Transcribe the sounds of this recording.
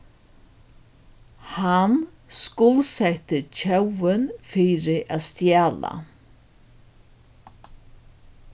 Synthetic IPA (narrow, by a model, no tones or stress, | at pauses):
han | skʊlsɛht̪ɪt͡ɕʰœwɪnfiːɾɪʔaðst̪jaːla̰